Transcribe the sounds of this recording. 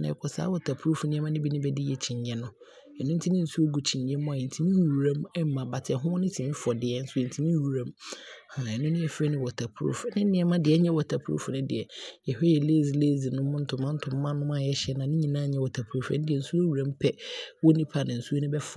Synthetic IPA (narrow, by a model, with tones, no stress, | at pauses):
nã̰˨ɛ˨kʰɔ˨sa̰ː˨˦wɔ˨tʰa˨pʰɾu˦fnɪ̃˦ɛ˦mã˦nɪ̃˦bi˦nɪ̃˦bɛ˦dɪ˦jɛ˨t͡ɕʰĩ˨ɲɲɛ̃˦nʊ̃˦ | ɛ˨nʊ̃˦n̩˦tʰi˦nɪ̃˦n̩˦su˦o˦ɡu˨t͡ɕʰĩ˨ɲɲɛ̃˦mʊ̃˦a˨ɛ˨n̩˨tʰi˦nɪ̃˦u˨ɾã˦mɛ˦m˨mã˨ba˨tʰɪ˨ɛ˨ɦʊ̃˦ɔ˦nɪ̃˦tʰi˨mĩ˦fɔ˨dɪ˨ɛ˦n̩˦su˦o˨n̩˨tʰi˨˦nĩ˦ɾu˨ɾã˦ma˨ɛ˨nʊ̃˦nʊ̃˦jɛ˨fɛ˦nɪ̃˦wɔ˨tʰa˨pʰɾṵ˨fnɪ̃˦nɪ̃˦ɛ˨˦mã˦dɪ˨ɛ˦ɲɛ̃˦wɔ˨tʰa˨pʰu˦ɾṵ˦fnɪ̃˦dɪ˨ɛ˨jɛ˨hɛ˦jɛ˨le˦˨zi˨leː˦˨zi˨nʊ̃˦mʊ̃˦n̩˦tʰʊ̃˨mːã˦n̩˦tʰʊ̃˨mː˦ã˦nʊ̃˦m˦a˦˨jɛ˦ɕɛ˦nã˨nɪ̃˦ɲĩ˨nã˦ɲɛ̃˦wɔ˨tʰa˨pʰu˨˦ɾu˦˨fʊ̃˦dɪ˨ɛ˨n̩˨su˦o˦wu˨ɾã˦m˦pʰɛ˦wɔ˦nĩ˦pʰa˨nɪ̃˨n̩˨su˦o˦nʊ̃˦bɛ˦f